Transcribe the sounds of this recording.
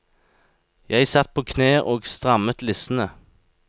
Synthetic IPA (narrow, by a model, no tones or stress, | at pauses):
jæɪsɑt̪̚pʰoːkʰneːʔoːɡst̪ʁɑmət̪lɪsn̩ə